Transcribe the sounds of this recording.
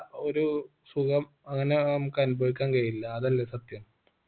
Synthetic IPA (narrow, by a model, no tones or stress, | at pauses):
oɾu | sukɐm | ɐŋːɐne̞mkɐnubʱɐɻikʲːaːnkɐjilːɐːðɐlːesɐt̪jɐm